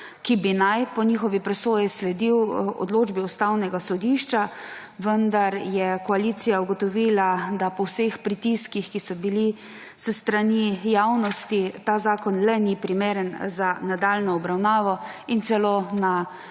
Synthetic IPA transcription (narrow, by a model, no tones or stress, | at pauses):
kibinajpɔɲixɔʋipɾɛsoːjislɛd̪iwɔ̰d̪loːd͡ʒbiɔst̪awnɛɡasɔd̪iʃt͡ʃa | ʋənd̪aɾjɛkɔaliːt̪sijauɡɔt̪ɔʋiːlad̪apɔwsexpɾit̪iskixkisɔbili | səst̪ɾanijaːwnɔst̪it̪aːzaːkɔnlɛnipɾimeːɾənzanad̪aːlnɔɔbɾawnaːʋɔint̪sɛlona